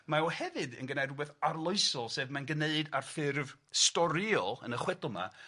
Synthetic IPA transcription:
maɔhɛvɨdə̰nɡənɛdwɛðarlˠoɨsɔlˠseːvmanɡəneɨdarfɪrvstɔɾiɔlˠə̰nəχwɛdɔlˠma̰

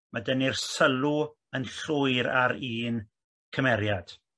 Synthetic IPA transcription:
madənirsəlˠu | ənɬʊɨɾaɾiːn | kʰəmɛɾjad̥

